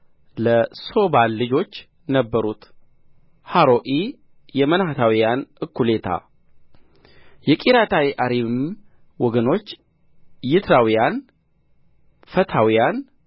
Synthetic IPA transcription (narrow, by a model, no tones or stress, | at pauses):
ləso̞balːɨd͡ʒo̞t͡ʃː | nəbːəɾut̪ | haɾo̞ʔi | jɛmənhat̪ʰawijanʔɨkʰːule̞t̪ʰa̰ | jɛkʼiɾat̪ʰawiʔaɾim | wɔɡəno̞t͡ʃː | jɪt̪ʰɾawijan | fət̪ʰawijan